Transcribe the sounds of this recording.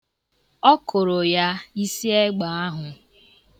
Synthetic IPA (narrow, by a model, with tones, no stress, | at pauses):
ɔ˦kʰʊ˨ɾʊ˨ja˦i˦si˦e˦ɡ͡ba˨a˦ɦʊ˨